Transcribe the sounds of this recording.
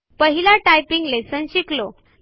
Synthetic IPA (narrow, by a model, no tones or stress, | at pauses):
pəɦilaʈajpiŋɡlesənɕiklo